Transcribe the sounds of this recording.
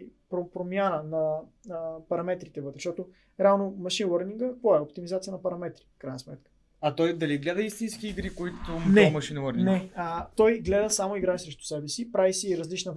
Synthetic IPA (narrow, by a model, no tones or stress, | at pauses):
pɾopɾomʲjanənɐ | pɐɾɐmɛt̪ɾit̪ɛvɤt̪ɾɛ̥ʃt̪ɔt̪o | ɾɛalˠnomɐʃinwəɾniŋɡəkvoɛopt̪imizat̪sijənɐpɐɾɐmɛt̪ɾi̥fkɾajnɐsmɛt̪kə̥ | ɐt̪ɔjd̪ɐliɡlɛd̪əist̪insk̟iiɡɾikoit̪ʊnɛmɐʃinwəɾninɛət̪ɔjɡlɛd̪əsamoiɡɾaisɾɛʃt̪ʊ̥sɛbɛsipɾavisiːɾɐzlit͡ʃnə